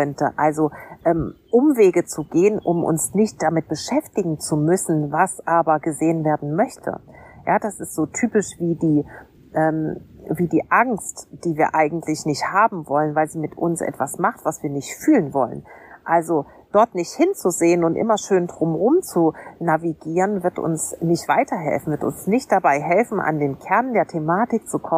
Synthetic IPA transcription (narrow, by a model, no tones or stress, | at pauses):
kœntəʔalzoʔɛːmʔʊmveːɡət͡suɡeːənʔʊ̰mʔʊ̰nsnɪçt̚d̥amɪt̚b̥əʃɛftɪɡŋ̩t͡sumʏsn̩vasʔaːbɐɡəzeːənveːɐdn̩mœçtʰə̰jaːd̥asɪstz̥oːtʰyːpɪʃv̥iːdiː | ʔɛːmviːdiːʔaŋstd̥iːviːɐʔaɪɡŋ̩tʰlɪçnɪçthaːbm̩vɔlənvaɪlziːmɪtʔʊ̰nsʔɛ̰tv̥asmaχtv̥asv̥iːɐnɪçtfyːlənvɔ̰lə̰nʔalzo | d̥ɔɐtnɪçthɪnt͡suzeːənʊntʔɪ̰mɐʃøːndʁʊmʁʊmt͡sunaviɡiːʁənvɪɐtʊ̰nsnɪçtv̥aɪtʰɐɦɛ̰lfn̩vɪɐtʊ̰nsnɪçt̚d̥abaɪɦɛlfn̩ʔa̰ndeːnkʰɛɐndeːɐtʰemaːtɪk̚t͡sukʰɔ